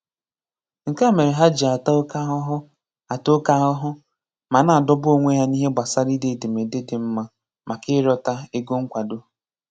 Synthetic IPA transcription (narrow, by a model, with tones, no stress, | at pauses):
ŋ̩˨ka˦˨me˨ɾe˨ɦa˦d͡ʒi˨a˨ta˦ka˦ɦʊ˦ɦʊ˦ | a˨to˦ka˦ɦʊ˦ɦʊ˦ | ma˨na˨a˨dɔ˦bo˨ŋʷe˦ja˦ni˦ɦe˦ɡ͡ba˨sa˦ɾi˦de˨de˨me˨de˦dɪ˨m̩˦ma˦ | ma˨kɪ˦ɾɔ˨ta˦e˦ɡo˦ŋ̩˦kʷa˨do˦